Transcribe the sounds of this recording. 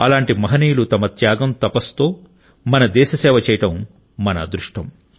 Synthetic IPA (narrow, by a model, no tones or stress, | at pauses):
ɐlaːɳʈimɐɦɐniːjlut̪ɐmɐt̪jaːɡɐmt̪ɐpɐst̪o̞ː | mɐnɐd̪ɛːʃɐsɛːʋɐt͡ʃɛːjɐʈɐmː | ɐnɐ̰d̪ɾuʂʈɐm